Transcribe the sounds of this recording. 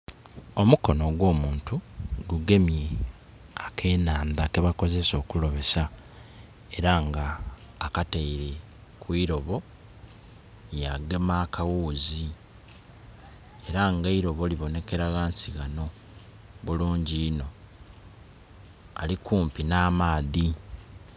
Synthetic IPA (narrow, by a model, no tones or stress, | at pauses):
o̞muko̞no̞ɡwo̞ːmuːntuɡuɡe̞mje | akʰe̞ːnaːndake̞βako̞ze̞so̞ːkulo̞βe̞sa | e̞ɾaŋɡaː | kateiɾe̞ | kwiɾo̞βo̞ | jaɡemaːkʰawuːzi | e̞ɾaŋɡaiɾo̞βo̞liβo̞ne̞ke̞ɾaɣaːnsiɣano̞ | βuluːɲɟiːno̞ | a̰likuːmpinaːmaːði